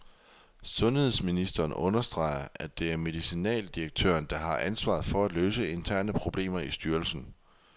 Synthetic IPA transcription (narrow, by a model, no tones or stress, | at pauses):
sɔ̽nhe̝ð̞̰ˠsminisd̥ɐːnʔɔ̽nɐsd̥ʁɑ̰̈ɪ̰ɐæd̥e̝æɐme̝ðˠisinɛ̰ːld̥ieɡ̥̚t͡sʰø̰ːɐnd̥ɑ̈ɦɑ̈ʔænsʋɑ̰̈ð̩ˠfɒ̽æd̥løːsəe̝nt͡sʰæɐ̰nəpʰʁo̝b̥le̝̰ːmɐisd̥yːɐlsn̩